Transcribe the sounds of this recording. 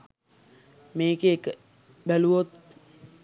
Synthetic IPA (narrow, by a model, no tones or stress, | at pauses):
meːkeːkə | bæluʋot̪